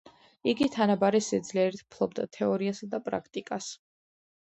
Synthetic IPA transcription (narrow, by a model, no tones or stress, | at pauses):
iɡit̪ʰanabaɾisɛd̪zliɛɾit̪ʰpʰlˠɔbd̪a̰t̪ʰɛɔɾiasad̪apʼɾa̰kʰt̪ʼikʼas